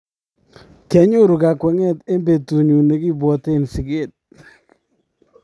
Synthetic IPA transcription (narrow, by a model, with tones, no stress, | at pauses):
kɛ˨˦ɲo˦ɾu˨ka˨kwɛ˨˦ŋɛ˦te˦mbe˨tu˨ɲu˨ne˦ki˦bwɔ˨te˦˨nsi˨ɡe˦˨t̚